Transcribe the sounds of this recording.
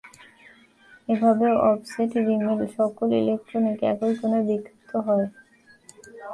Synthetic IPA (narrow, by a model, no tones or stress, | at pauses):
ebʱabeoʔɔbseʈɾimilʃɔkolḭlek̚ʈɾonikɛ̰kolikonebikʰːit̪oɦɔe